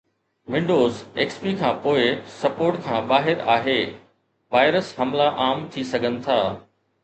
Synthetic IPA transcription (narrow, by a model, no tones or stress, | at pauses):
ʋɪ̃ɳɖoːzeːkspikʰãːpoːɪsɐpoːɾʈkʰãːɓaːɦɪɾaːɦeː | ʋaːɪɾəsɦɐmlaʔaːmt̪ʰisɐɡʱənɪ̆t̪ʰaː